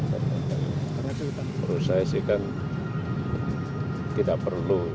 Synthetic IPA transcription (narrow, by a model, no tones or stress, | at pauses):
ɾusaisikan | t̪idaʔpərlu